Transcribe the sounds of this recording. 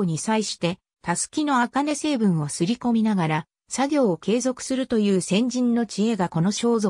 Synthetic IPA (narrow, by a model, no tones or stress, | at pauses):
ɲ̟isaiɕi̥t̪e̞ | t̪asɨ̥kʲino̞akane̞se̞ːbɯ̟̃ɰ̃o̞sɨɾʲiko̞mʲinaɡaɾa | saɡʲo̞ːke̞ːzo̞kɯ̥sɨɾɯ̟t̪o̞jɯ̟ːsẽ̞ɲ̟d͡ʑĩnːo̞t͡ɕie̞ɡako̞no̞ɕo̞ːzo